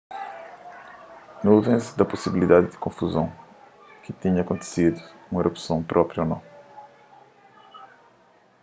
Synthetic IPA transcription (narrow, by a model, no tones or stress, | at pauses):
nuvẽsd̪ɐpusibilid̪ad̪ɪd̪ɪ̥kõfuzɐ̃w̃ | kɪt̪iɲɐkõnt̪ɪ̥sid̪uũeɾopsɐ̃w̃pɾʔɔpɾjonɐ̃w̃